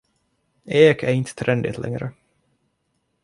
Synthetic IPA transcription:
eːkʰæɾɪnt̪ʰə̥t̪ʰɾʔɛnd̪ɪ̰t̪ʰlʔɛ̰ŋɾə

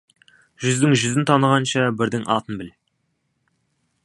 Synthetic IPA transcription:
ʒʏzd̪ɪŋʒʏzɪnt̪ʰɑnəʁɑnʃɑbɪɾd̪ɪŋɑ̰lˠt̪ənbɪl

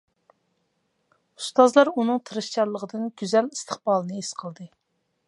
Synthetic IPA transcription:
u̥st̪ɑzlˠɑɾunɨŋt̪ʰɨɾɨʃt͡ʃɑɾlˠəʁəd̪ɨnɡʲyzɛlist̪ʰəχbɑːlˠɨnɨesqʰəlˠd̪ɨ

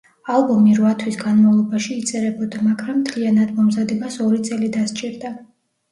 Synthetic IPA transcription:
alˠbɔmiɾvat̪ʰwisɡanmavlˠɔbaʃiːt̪sʼɛɾɛbɔd̪amakʰɾamt̪ʰlianad̪mɔmzad̪ɛbasɔɾit̪sʼɛlid̪ast͡ʃʼiɾd̪a

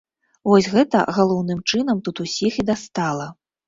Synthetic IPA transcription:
vɔsʲɣɛt̪ɐ̰ɣalˠɔwnɨmt͡ʂɨn̪ɐmt̪ut̪usʲixid̪ast̪alˠɐ

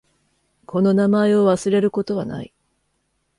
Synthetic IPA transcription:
kʰo̞no̞namae̞o̞βasɨɾe̞ɾɯ̟ko̞t̪o̞βana̰i

